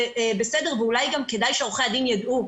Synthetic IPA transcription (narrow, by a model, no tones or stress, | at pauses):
besede̞ʁ̞veulajɡamke̞dajʃeoχead̪injad̪ʔu